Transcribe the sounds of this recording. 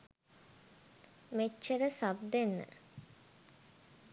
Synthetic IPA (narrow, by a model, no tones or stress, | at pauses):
met͡ʃːəɾəsabd̪enːə̰